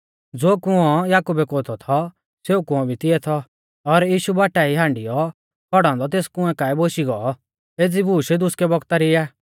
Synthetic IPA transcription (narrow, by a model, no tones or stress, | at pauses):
d͡zoːkʊ̃ɔ̃jaːkuːbɛkoːt̪ʰɔt̪ʰɔ | seːukʊ̃ɔ̃bʱit̪ɪɛt̪ʰɔ | ɔɾjiːʃubaːʈaiɦãːɳɖɪjɔ | kʰɔɽ̃ãːnd̪ɔt̪eːskʊ̃ɛ̃kaːiboʃiɡɔː | eːd͡zibuːʃɛd̪ʊskɛbɔɡt̪aɾɪaː